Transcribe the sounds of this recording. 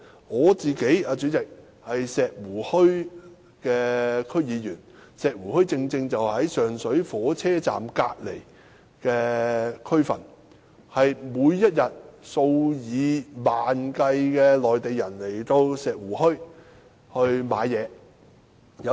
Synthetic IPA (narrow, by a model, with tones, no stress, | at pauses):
ŋɔː˨˧t͡siː˨ke˨˥jaː˧t͡ʃyː˨˥t͡sɪ˨k̚ | hɐ˨jsɛː˨˩k̚wuː˨˩hɵ˥ɥ | kɛː˧kʰɵ˥ɥjiː˨˧jyː˨˩nsɛː˨k̚wuː˨˩hɵ˥ɥt͡sɪ˧ŋt͡sɪ˧ŋt͡sɐ˨whɐ˨˥jsœː˨˩ŋsɵ˨˥ɥfɔː˨˥t͡sʰɛː˥t͡sa̰ː˨˩mka̰ː˧k̚le˨˩j | kɛː˧kʰɵ˥ɥfɐ̰˨˩n | hɐ˨jmuː˨˧jːɐ˥t̚jɐ˨t̚so˧wjiː˨˧maː˨nkɐ˧jkɛː˧lɔː˨˩jt̪e˨jːɐ˨˩nle˨˩jt̪o˧wsɛː˨k̚wuː˨˩hɵ˥ɥ | hɵ˧ɥma̰ː˨˧˥jjɛː˨˧ | jɐ˨˧